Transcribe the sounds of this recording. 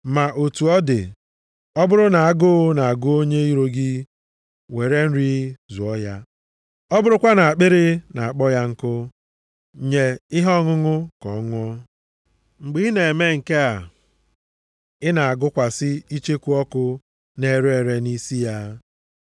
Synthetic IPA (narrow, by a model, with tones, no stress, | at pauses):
ma˨ʔo˨tu˨ɔ˦dɪ̰˨ | ɔ˦bʊ˦ɾʊ˦na˨a˨ɡʊ˦ʊ˦na˨a˨ɡʊ˦o˦ɲe˦i˦ɾo˦ɡɪ˦ | we˨ɾe˦n̩˦ɾi˦zu˨ɔ˦ja˦ | ɔ˦bʊ˦ɾʊ˦kʷa˦na˨a˨k͡pe˦ɾi˦na˨a˨k͡pɔ˦ja˦ŋ̩˦kʊ˦ | ɲe˨ɪ˦ɦɔ˦ŋʊ˦ŋʊ˦kɔ̰˨˦ŋʷ˦ɔ˦ | ŋ͡m̩˨ɡ͡bi˦ne˨e˨me˦ŋ̩˨ke˦a˨ | ɪ˦na˨a˨ɡʊ˦kʷa˨sɪ˦i˦t͡ʃe˦kʷu˦ɔ˦kʊ˦ | ne˨˦ɾe˨ɾe˦ni˦si˦ja˦